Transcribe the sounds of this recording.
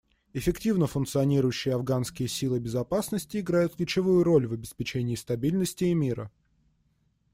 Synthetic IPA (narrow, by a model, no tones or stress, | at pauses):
ɪfʲɪktʲivnəfʊnkt̪sɨɐnʲiɾʊjʉɕːɪjəɐvɡanskʲɪjəsʲilˠɨbʲɪzɐpasnəsʲtʲɪːɡɾajʊt̪̚klʲʊt͡ɕɪvujʊɾo̞lʲvɐbʲɪspʲɪt͡ɕenʲɪːst̪ɐbʲilʲnəsʲtʲɪːmʲiɾə